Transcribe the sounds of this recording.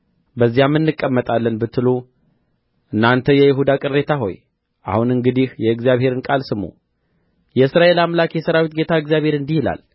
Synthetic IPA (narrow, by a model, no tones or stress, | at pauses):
bəzːijamːɨnːɨkʼːəmːət̪ʼalːənbɨt̪ːɨlu | ʔɨnːant̪ʰəjɛjɪɦud̪akʼɨrːe̞t̪ʰaɦo̞̰j | ʔa̰hunɨŋɡɨd̪ihjɛɨɡzijaβhe̞ɾɨnkʼalsɨmo̰ | jɛɨsɾaʔe̞lamlakjɛsəɾawit̪̚ɡe̞t̪ʰaɨɡzjaβhe̞ɾɨnd̪ihila̰l